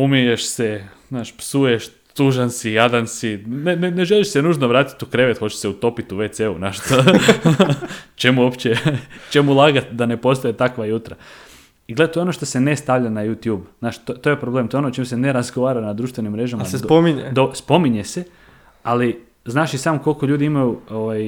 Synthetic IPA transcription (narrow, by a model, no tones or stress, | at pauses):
umijeʃsez̥naːʃpsujeʃ | t̪uʒansijad̪ansineneneʒeliʃsenuːʒnoʋɾaːt̪i̥t̪ukɾeʋet̪xo̞t͡ɕe̥seut̪o̞pit̪uʋet̪seṵnaʃt̪o | t͡ʃemuo̞pt͡ɕet͡ʃe̞mulˠaɡat̪d̪ane̞po̞st̪ojet̪akʋajut̪ɾa | iɡle̞d̪at̪oeono̞ʃt̪o̞se̞nest̪aʋʎʲanajut̪juːbz̥naːʃt̪ot̪oje̞pɾoble̞ːmt̪oeonot͡ʃimusene̞ɾazɡoʋaːɾanad̪d̪ɾuːʃt̪ʋe̞nimːɾe̞ʒamaasesd̪pomiɲed̪oɾspo̞miɲese̞ | ali | znaːʃisaːmko̞lko̞ʎuːd̪iimajuoʋaj